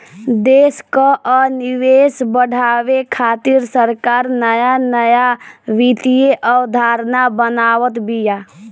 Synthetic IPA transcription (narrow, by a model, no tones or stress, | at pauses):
d̪eːskaʔɔnɪweːsbəɽ̤ʱaːwekʰaːt̪ɪɾsəɾkaːɾnəjanəjaʋit̪ijeʔɔwd̪ʱaːɾnabənaːwət̪bijaː